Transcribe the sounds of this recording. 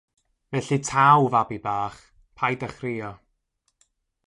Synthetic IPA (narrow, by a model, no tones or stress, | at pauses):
vɛɬitʰawvabibaːχ | pʰajdəχrɪjɔ